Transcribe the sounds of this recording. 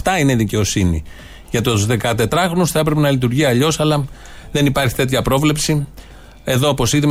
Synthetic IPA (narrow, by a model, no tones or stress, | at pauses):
t̪ɐine̞ðice̞o̞sinḭ | ʝɐt̪ouzðe̞kɐt̪e̞t̪ɾɐxɾo̞nusθɐepɾe̞pe̞nɐlit̪̬uɾʝiɐʎo̞sɐlɐ | ðe̞nipɐɾçi̥t̪e̞t̪çɐpɾo̞vle̞psi | e̞ðoːpo̞siðim